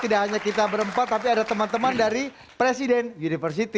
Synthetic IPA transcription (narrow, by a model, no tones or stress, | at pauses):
t̪idaʔɦaɲakit̪abəɾəmpat̪ːap̬iadat̪əmant̪əmandaɾi | pɾesidɛnunifərs̬it̪i